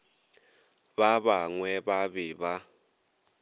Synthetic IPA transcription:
βaβaŋwɛβaβɪβa

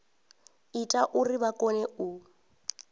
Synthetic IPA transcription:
itʼaʔʊriβakʼɔnɛʊ

